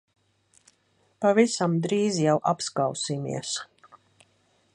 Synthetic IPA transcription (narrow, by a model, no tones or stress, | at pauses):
pavisamd̪ɾiːzijawʔapskawsimḭɛs